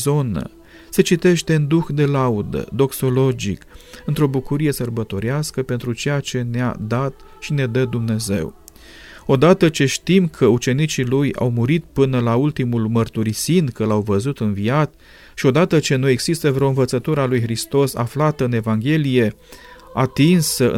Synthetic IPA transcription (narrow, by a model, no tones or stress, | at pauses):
zo̞nə̰ | se̞t͡ʃit̪e̞ʃt̪e̞und̪uxd̪e̞laud̪ə̰d̪o̞kso̞lo̞d͡ʒḭkɨnt̪ɾo̞bukuɾije̞sərbət̪o̞ɾeaskəpe̞nt̪ɾut͡ʃe̞jat͡ʃe̞nea̰d̪at̪ | ʃine̞d̪əd̪umne̞ze̞̰w | o̞d̪at̪ət͡ʃe̞ʃt̪imkʰəut͡ʃe̞nit͡ʃiluja̰wmuɾit̪̚pɨnəlault̪imulmərt̪uɾisinkəlawvəzut̪ɨnviat̪ | ʃio̞d̪at̪ət͡ʃe̞nue̞ɡz̥ist̪əvɾeo̞ɨnvət̪sət̪uɾəalujxɾist̪o̞sa̰flat̪əɨne̞vaŋɡʲe̞lije̞ | at̪insəɨ̰